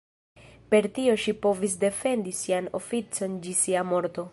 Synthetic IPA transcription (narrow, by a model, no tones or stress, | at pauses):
pe̞ɾtio̞ʃipo̞vis̬de̞fe̞ndisiano̞fit͡so̞nd͡ʒisiamo̞ɾto̞